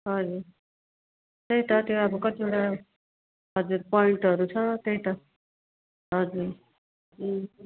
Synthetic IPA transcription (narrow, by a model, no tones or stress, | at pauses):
ɦʌd͡zuɾ | t̪eɦiʈ̪ʌt̪ew̃abʌkʌt̪ieʈa | ɦʌd͡zuɾpɔiɳʈɦʌɾut͡sʰʌt̪eɦit̪ʌ | ɦʌd͡zuɾ̩